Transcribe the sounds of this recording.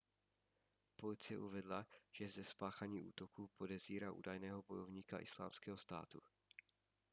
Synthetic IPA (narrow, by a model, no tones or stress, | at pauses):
po̞lɪt͡sɪjɛʔuvɛdlaʒ̥ɛzɛspaːxaɲiːʔṵːt̪o̞kuːpo̞dɛziːɾaːʔṵːdajnɛːɦo̞bo̞jo̞vɲiːka̰ʔɪsla̰ːmskɛːɦo̞st̪a̰ːt̪u